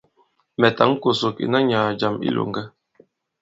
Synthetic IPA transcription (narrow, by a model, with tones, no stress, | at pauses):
mɛ˨ta˨˦ŋ̩˦ko˨so˨kḭ˨na˦ɲaː˨d͡ʒa˨mḭ˦lʔo̰˨ŋɡɛ˦